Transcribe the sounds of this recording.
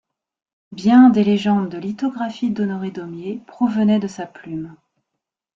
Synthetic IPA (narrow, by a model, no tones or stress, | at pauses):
bjɛ̃d̪eleʒɑ̃d̪ːəlit̪ɔɡʁafid̪ɔnɔʁed̪ɔmjepχɔvənɛd̪əsaplym